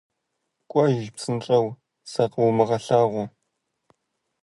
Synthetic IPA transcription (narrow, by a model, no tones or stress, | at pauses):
kʷʼɔʒpsɨnʈ͡ʂʼɐw | sɐqwmɨʁɐɬaːʁʷʊ